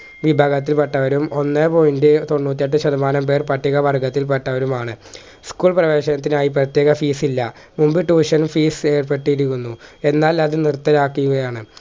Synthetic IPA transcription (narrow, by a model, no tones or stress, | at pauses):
ʋibʱaːɡɐt̪̬ːilpeʈːɐʋɐɾumo̞nːepo̞jindet̪o̞ɳːuːt̪ːijɐʈ̬ːɨɕɐðɐmaːnɐmpe̞ːrpɐʈːiɣɐʋɐrɡɐt̪ːilpeʈːɐʋɐɾumaːɳɨ | skuːɭprɐʋe̞ːɕɐnɐt̪ːinaːjiprɐt̪je̞ːɣɐfiːsilːɐ | mumbiʈːuːʂɐnfiːse̞ːrpe̞ʈːiiɾikʲːunːue̞nːaːlɐðɨnirt̪ːɐɾaːkːijuɣɐjaːɳɨ